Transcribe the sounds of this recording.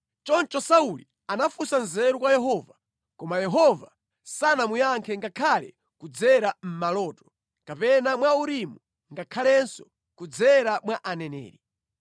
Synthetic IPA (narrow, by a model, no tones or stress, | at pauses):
t͡ʃɔnt͡ʃɔsauli | anafusanzɛɾukwajɛɦɔva | kɔmajɛɦɔva̰ | sanamujaŋkʰɛŋɡakʰalɛ̰ | kud͡zɛɾam̩malɔːtɔ̥ | kapɛnamwauɾimu | ŋɡakʰalɛnsɔ̥ | kud͡zɛɾamwaʔanɛnɛ̰ːɾi